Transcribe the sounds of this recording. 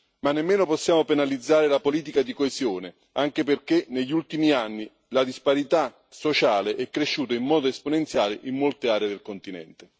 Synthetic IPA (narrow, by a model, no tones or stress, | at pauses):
manːemːeːnopɔsːjaːmopenalid̪zːaːɾɪlapoliːt̪̬ikad̪ikoesjoːne | aŋk̟eperk̟eneʎːult̪imianːi | lad̪ispaɾit̪a | sot͡ʃaːleʔɛkːɾeʃːuːt̪aimːɔːd̪oesponent̪sjaːlɪʔimːolt̪eaːɾeːd̪elkont̪inɛ̰nt̪ɪ